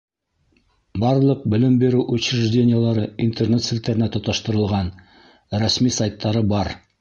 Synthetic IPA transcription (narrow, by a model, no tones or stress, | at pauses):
bɑɾlˠɤq̚bɵ̆lɘmbeɾʉwʔʉt͡ɕɾɘ̆ʒdʲenʲɪjəlˠɑɾɤint̪ernet̪sɘlt̪ːæɾɘ̆næt̪ŏt̪ɑʃt̪ɤ̆ɾɤ̆lˠʁɑn | ɾæsmisajt̪ːɑɾɤbɑɾ